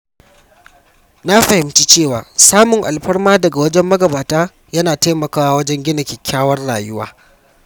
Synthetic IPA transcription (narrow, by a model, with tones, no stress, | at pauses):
na˦ɸɐ˨hɪ˨mt͡ʃi˦t͡ʃeː˦˨waː˨saː˦mʊ˨ŋʔa̰˨lɸɐ˦rmaː˦dɐ˨ɡa˨wɐ˦d͡ʒɛ˦mːɐ˦ɡɐ˨baː˨taː˦ | jɐ˦naː˨taː˦mɐ˨kaː˦wa˦wɐ˦d͡ʒɛ˦ŋɡʲɪ˦nɐ˨kʲɪ˨kʲːaː˦wɐ˦rɽaː˨jʊ˦wa̰ː˦